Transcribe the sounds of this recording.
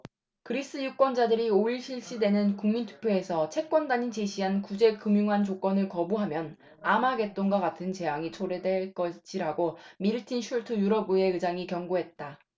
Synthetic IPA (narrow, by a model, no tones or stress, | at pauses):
kɯɾis͈ɯjuk͈wʌnd͡ʑadɯɾioiɭɕʰiɭɕ͈idwe̞nɯnkuŋmintʰu̥pʰjoe̞sʰʌt͡ɕʰe̞k͈wʌndaɲit͡ɕe̞ɕʰiɦankud͡ʑe̞kɯmjuŋɦant͡ɕok͈wʌnɯɭkʌbuɦamjʌn | amaɡe̞t͈oŋɡwaɡatʰɯnt͡ɕe̞jaŋit͡ɕʰoɾedwe̞ɭk͈ʌɕ͈ʰiɾaɡomiɾɯtʰinɕʰuɭtʰɯjuɾʌbue̞ɯd͡ʑaŋikjʌŋɡoɦe̞t̚t͈a